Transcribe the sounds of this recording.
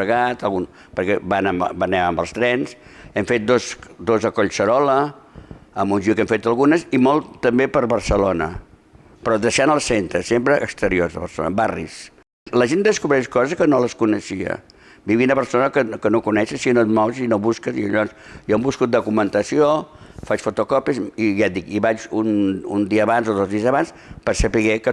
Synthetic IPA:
əɣat̪əlˠɣun | pəɾkɛbanəmbənɛməmbəlˠst̪ɾɛnsɛmfet̪̚d̪osd̪ozəkoʎsəɾɔlə | əmbunʲʒuikɛmfet̪əlˠɣunəsimolˠt̪t̪ːəmbepəɾβəɾsəlonə̰ | pɾɔðəʃanəlˠsent̪ɾəsempɾəʔəkst̪əɾioɾzðəβəɾso̰nə̰barḭs | ləʒend̪əskuβɾɛʃkɔzəskənoləskunəʃiə̰ | biβiunəβəɾsonəkəkənokunɛʃəsinot̪mɔwzinoβuskəziəʎɔnsjoəmbuskut̪̚d̪ukumənt̪əsiofat͡ʃfut̪ukɔpiəsiʒat̪d̪ikiβat͡ʃunund̪iəːβanzoðozðiəzəβans | pəɾsəpiɣekə

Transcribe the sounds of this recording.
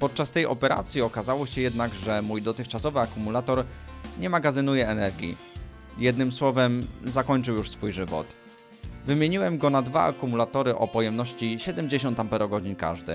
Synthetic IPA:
pɔt̪̚t͡ʂast̪ɛjɔ̰pɛɾa̰t̪sʲjiɔkazawɔɕɛjɛd̪naɡʐɛmujd̪ɔt̪ɘxt͡ʂasɔvɘakumulat̪ɔɾ | ɲɛmaɡazɘnujɛɛnɛɾɡʲḭ | jɛd̪nɘmswɔvɛmzakɔɲt͡ʂɘwjuʂsfujʐɘvɔ̰t̪ | vɘmʲjeɲiwɛmɡɔnad̪va̰a̰kumulat̪ɔɾɘʔɔpɔjɛmnɔɕt͡ɕiɕɛd̪ɛmd͡ʑeɕ̬ɔ̃nt̪ampɛɾɔɡɔd͡ʑiɲka̰ʐd̪ɘ̰

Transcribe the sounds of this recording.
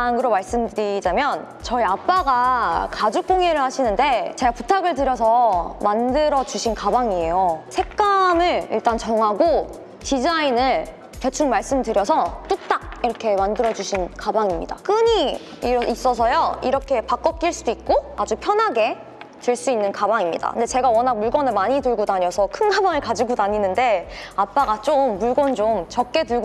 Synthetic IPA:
aŋɡɯɾomaɭs͈ɯmdɯɾid͡ʑamjʌn | t͡ɕʌiap͈aɡakad͡ʑuk̚k͈oŋe̞ɾɯɭhaɕʰinɯnde̞t͡ɕe̞ɡaputʰaɡɯɭtɯɾjʌs̬ʰʌmandɯɾʌd͡ʑuɕʰinkabaŋie̞josʰe̞k͈amɯɭḭɭt͈ant͡ɕʌŋɦaɡo | tid͡ʑainɯɭ | ke̞t͡ɕʰuŋmaɭs͈ɯmtɯɾjʌsʰʌt͈ut͈ak̚iɾʌkʰe̞mandɯɾʌd͡ʑuɕʰinkabaŋimɲida̰k͈ɯɲi | is͈ʌsʰʌjoiɾʌkʰe̞pak͈ʌp̚k͈iɭs͈uduik̚k͈oad͡ʑupʰjʌnɦaɡe̞ | tɯɭs͈uinːɯnkabaŋimɲida̰ɯnde̞t͡ɕe̞ɡawʌnak̚muɭɡwʌnɯɭmaɲitɯɭɡodaɲʌsʰʌkʰɯnkabaŋɯɭkad͡ʑiɡodaɲinɯnde̞ap͈aɡat͡ɕ͈omːuɭɡwʌnt͡ɕomt͡ɕʌk̚k͈e̞tɯɭɡ

